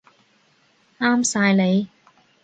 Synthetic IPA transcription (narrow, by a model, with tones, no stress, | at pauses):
aː˥msaː˧jle˨˧j